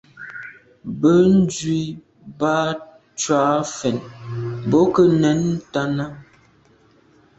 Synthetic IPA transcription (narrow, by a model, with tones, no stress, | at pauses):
bə˦n˦d͡ʒɥi˦ | ba˦ | t͡ʃa˨˦fɛ˨nbo˦kə˦nɛ˨˦n˦ta˦na˦